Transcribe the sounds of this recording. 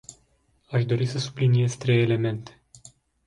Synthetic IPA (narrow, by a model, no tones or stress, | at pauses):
aʃd̪o̞ɾisəsublinije̞zt̪ɾe̞jele̞me̞nt̪e̞̥